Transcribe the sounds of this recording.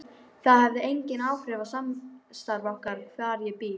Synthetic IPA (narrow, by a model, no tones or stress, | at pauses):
θaðhɛvðɪejɲcɪnaːwfɾɪvasamst̪aɾvɔhkaɾ̥kʰvaːɾjɛpɪː